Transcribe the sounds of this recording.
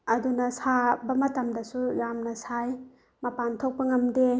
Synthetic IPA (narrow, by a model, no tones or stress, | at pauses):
ɐdunɐsabɐmɐtɐmdɐsujamnɐsaj | mɐpantʰok̚pɐŋɐmde